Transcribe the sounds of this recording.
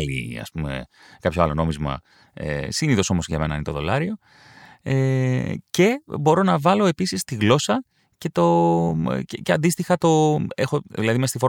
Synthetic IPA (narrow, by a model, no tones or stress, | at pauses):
ḭɐ̰spume̞̰kɐpçoɐlono̞mizmɐ̰ | ḛsiniðo̞so̞mozʝɐ̰me̞nɐinet̪o̞ðo̞lɐɾio̞ | ece̞bo̞ɾo̞nɐvɐlo̞e̞pisist̪iɣlo̞sɐ | ce̞t̪o̞ | ceceɐnd̪ist̪ixɐt̪o̞exo̞ðilɐðimest̪ifo